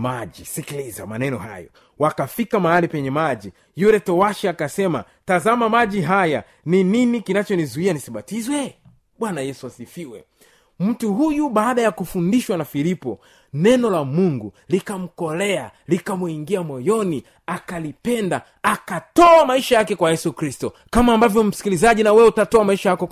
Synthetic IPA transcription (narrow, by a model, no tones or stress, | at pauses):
maʄisikiliza̰manɛnɔɦa̰jɔ̰ | wakafikamaalipɛɲɛmaʄi | juɾɛtɔwaʃiakasɛma̰ | tazamamaʄiɦaja | nininikinat͡ʃɔnizuianisiɓatizwɛ | ɓwanajɛsuasifiwɛ̰ | m̩tuɦujuɓaːɗajakufundiʃwanafilipɔ̰ | nɛnɔlamuŋɡulikam̩kɔlɛa̰likamuiŋɡiamɔjɔni | akalipɛnda | akatɔamaiʃajakɛkwajɛsukɾistɔ̰ | kamaːmbavjɔm̩si̥kilizaʄinawɛutatɔamaiʃajakɔ